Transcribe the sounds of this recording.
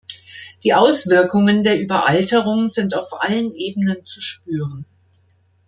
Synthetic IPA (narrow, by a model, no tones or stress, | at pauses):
d̥iːʔaʊsv̥ɪɐkʊŋəndeːɐʔyːbɐʔaltəʁ̞ʊŋzɪntaʊfʔa̰lənʔeːbənənt͡suʃpyːʁən